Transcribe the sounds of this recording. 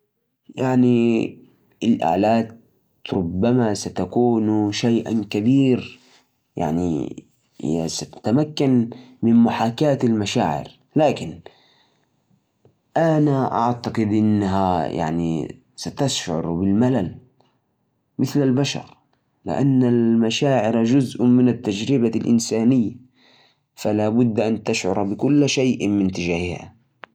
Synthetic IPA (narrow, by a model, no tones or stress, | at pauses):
jaʕni | ɪlʔa̰ːlaːt̪ | ɾˤʊbːamasat̪akuːnʃajʔa̰kabiːɾ | ja̰ʕnḭ | sat̪ḁt̪amakːan | mɪnmʊħaːkaːt̪almaʃaːʕɪ̰ɾ | laːkɪn | ʔanaʔa̰ʕt̪aqɪd̪ʔɪnːaɦaja̰ʕnḭ | sat̪aʃʕʊ̰ɾbɪlmalal | mɪθlalbaʃɑ̰ɾˤ | lɪ̰ʔa̰nːalmaʃaːʕɪɾd͡ʒʊzʔmɪnat̪ːad͡ʒɾɪbalʔɪ̰nsaːnɪjːa | falaːbʊd̪ːʔant̪aʃʕʊ̰ɾˤbɪkʊlːʃajʔmɪnt̪ɪd͡ʒaːhɪha̰